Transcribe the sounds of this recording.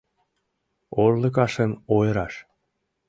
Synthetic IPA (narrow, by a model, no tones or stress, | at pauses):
orlə̆k̬ɑʃənojəɾɑʃ